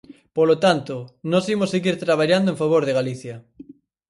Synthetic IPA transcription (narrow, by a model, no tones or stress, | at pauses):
polot̪ant̪onosimoseɣiɾt̪ɾaβ̞aʎand̪oẽɱfaβ̞oɾðeɣaliθja